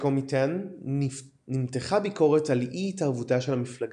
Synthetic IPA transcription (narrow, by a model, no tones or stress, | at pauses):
komitan | imteχabiko̞ʁetaliʔitavutaʃe̞lamiflaɡ